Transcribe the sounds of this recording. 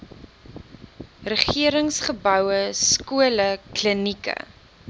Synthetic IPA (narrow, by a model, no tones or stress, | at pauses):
rəχiəɾəŋsχəbœwəskuələklənikə̰